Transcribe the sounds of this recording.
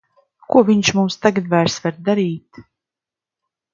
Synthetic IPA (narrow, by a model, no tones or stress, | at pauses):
kuɔviɲʃmumst̪aɡad̪vaːɾsvaɾd̪aɾiːt̪